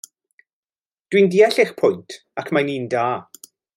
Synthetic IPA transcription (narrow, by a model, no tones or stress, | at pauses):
d̥windiɛɬɪχpʰʊjntʰ | akʰmajniːndaː